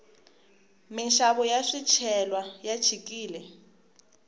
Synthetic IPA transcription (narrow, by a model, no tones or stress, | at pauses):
minʃaβɔjaʂit͡ʃʰɛlwajat͡ʃʰikiːlɛ